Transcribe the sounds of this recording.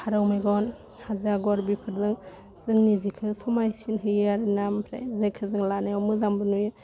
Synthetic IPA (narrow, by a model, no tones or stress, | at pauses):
kʰaɾɯwmajɡɔn | hazaɡɔɾbipʰɯɾzɯŋ | z̥ɯŋnizikʰɯsʰumajsinɦɯjaɾnampʰɾa̰jzejkʰɯzɯŋlanajɔmɯzambɯnujɯ